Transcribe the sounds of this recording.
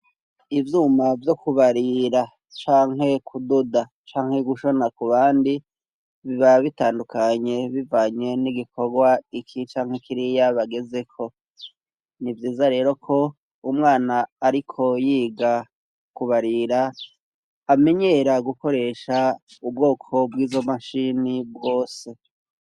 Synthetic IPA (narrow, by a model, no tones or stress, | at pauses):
ivjuːmavjo̞kuβaɾiɾa | t͡ʃaːŋɦe̞kʰududa | t͡ʃaːŋ̥he̞ɡuʃo̞nakuβaːndi | βiβaβitaːndukaɲe̞βivaːɲe̞niɡikʰo̞ɡwaikʰit͡ʃaːŋ̥hekiɾijaβaɡe̞ze̞kʰo̞ | nivjiːzaɾe̞ːɾo̞kʰo̞ | umŋaːnaːɾikʰo̞jiːɡa | kuβaɾiɾaː | me̞ɲe̞ːɾaɡuko̞ɾe̞ːʃaubɡo̞ːkʰo̞bɡiːzo̞maʃinibɡo̞ːse̞